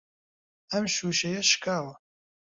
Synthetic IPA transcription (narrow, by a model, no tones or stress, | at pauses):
ɐmʃuːʃɐjɐʃkʰaːwɐ